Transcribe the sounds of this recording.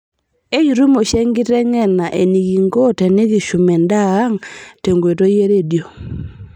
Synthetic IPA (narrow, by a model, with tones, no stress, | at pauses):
e˦ju˨ɾu˦mo˨ʃe˦ŋɡɪ˦tɛ˦ŋɛ˦˨na˨ʔe˨ni˨ɡi˨ŋɡo˦tɛ˨nɪ˦ɡɪ˨ʃu˨mɛ˨ndaː˦ŋte˨ŋɡwe˨to˦je˦ɾe˦˨djo˨